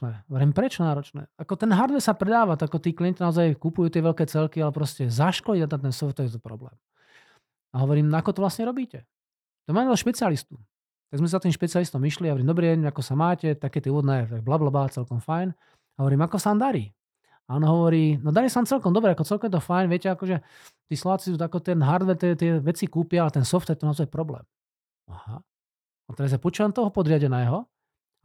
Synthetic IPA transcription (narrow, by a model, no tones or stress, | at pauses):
ɛɦɔʋɔɾiːmpɾɛt͡ʃɔnaːɾɔt͡ʃnɛ̰ːakɔt̪ɛnɦaɾd̪ʋɛsapɾɛd̪aːʋat̪akɔt̪iːklijɛɲcinaɔzajkupujut̪ɪɛʋɛlkɛːt͡sɛlkialɛpɾɔscɛzaʃkɔliat̪at̪ɛnsɔʋɔt̪ɔjɛt̪ɔpɾɔ̰blɛ̰ːm | aɦɔʋɔɾiːmnakɔt̪ɔʋlasɲɛɾɔbiːcɛ | t̪ɔmaːaɔʃpɛt͡sialist̪u | t̪aɡzmɛs̬zat̪iːmʃpɛt͡sialist̪ɔmiʃliaɦɔʋɾiːmd̪ɔbɾɛːɛɲɛakɔsamaːcɛt̪akɛt̪ɛuʋɔd̪nɛːɛt̪aɡ̚blablabat͡sɛlkɔmfajn | ɦɔʋɔɾiːmakɔsaaːmd̪aɾiː | aɔnɔɦɔʋɔɾiːnɔd̪aɾiːsaaːmt͡sɛlkɔmd̪ɔbɾɛakɔt͡sɛlkɔmjɛt̪ɔfajnʋɪɛcɛakɔʒɛ | t̪iːslɔʋaːt͡sisut̪akɔt̪ɛnɦaɾd̪ʋɛɾt̪ɪɛt̪ɪɛʋɛt͡sikuːpɪaalɛt̪ɛnsɔft̪jɛt̪ɔnaɔzajpɾɔblɛ̰ːm | aha̰ | at̪ɛɾazjapɔt͡ʃuant̪ɔɦɔpɔd̪ɾɪaɟɛnɛːɦɔ